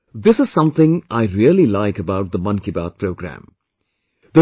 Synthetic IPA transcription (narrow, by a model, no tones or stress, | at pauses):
d̪ɪsɨz̥sʌ̃mθɪ̃ŋaɪɾiəlilaɪkəbawʈ̚d̪əmʌ̃nkiba̰t̪̚pʰɹoɡɾæ̰̃m | d̪ə